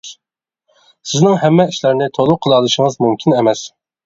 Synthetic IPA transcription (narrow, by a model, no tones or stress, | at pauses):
sɪznɪŋhɛmːɛiʃlɪɾnɪt̪ʰolˠʊqʰːəlˠɑlˠɨʃəŋəzmumkʲʰinɛmɛs